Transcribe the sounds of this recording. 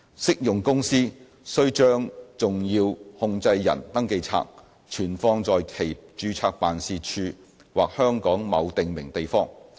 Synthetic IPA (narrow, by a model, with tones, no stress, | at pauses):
sɪ˥k̚jʊ˨ŋkʊ˥ŋsiː˥ | sɵ˥ɥt͡ʃœː˥ŋt͡sʊ˨ŋjiː˧whʊ˧ŋt͡sɐ˧jːɐ̰˨˩nt̪ɐ˥ŋke˧jt͡sʰa̰ː˧k̚ | t͡ʃʰyː˨˩nfɔː˧ŋt͡sɔː˨jkʰe˨˩jt͡ʃyː˨˧t͡sʰaː˧k̚paː˨nsiː˧t͡ʃʰyː˧ | waː˨k̚hœː˥ŋkɔː˨˥ŋmɐ˨˧wt̪ɪ˨ŋmɪ̰˨˩ŋt̪e˨jfɔː˥ŋ